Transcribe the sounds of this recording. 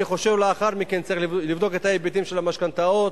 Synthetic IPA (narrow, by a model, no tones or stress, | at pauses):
iχo̞ʃe̞vleaχaʁmike̞nt͡saʁiχlivd̪o̞ket̪aebit̪imʃe̞lamaʃkant̪aot